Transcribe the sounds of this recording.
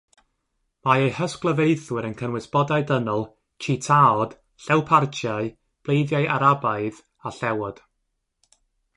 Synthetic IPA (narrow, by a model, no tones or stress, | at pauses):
maejhəsklˠəvejθwɪɾənkʰənwɪsbɔdaɨdənɔlˠ | t͡ʃʰitʰaɔd̥ | ɬɛwpʰart͡ʃʰjaɨ | b̥lˠejðjaɨʔaɾabaɨð | aɬɛwɔd̥